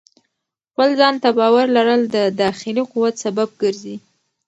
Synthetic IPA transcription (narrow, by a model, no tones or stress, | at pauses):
xpəlzɑnt̪abɑwaɾlaɾəld̪əd̪ɑxɪliquwat̪sabab̚ɡəɾzi